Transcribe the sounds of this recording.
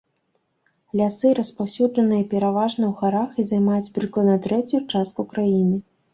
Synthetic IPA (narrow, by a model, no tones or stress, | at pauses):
lʲasɨɾɐspawsʲud͡ʐɐnɨjɐpʲɛɾavaʐnɐwxaɾaxizajmajud͡zʲbɾɨklˠɐnɐt̪ɾɛt͡sʲjut͡ʂast̪̚kukɾajinɨ